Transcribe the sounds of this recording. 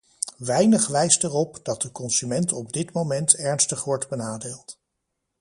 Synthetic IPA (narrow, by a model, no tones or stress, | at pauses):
ʋɛjnəχʋɛjstɛrɔpdɑt̚dəkɔnzymɛntɔb̚dɪtmowmɛntɛɹnstəχʋɔɹdbənaːdeːlˠt